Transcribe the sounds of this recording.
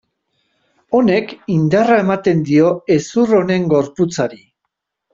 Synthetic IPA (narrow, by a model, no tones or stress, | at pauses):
o̞ne̞kind̪arae̞mat̪e̞nd̪io̞e̞suro̞ne̞ŋɡo̞ɾput͡saɾi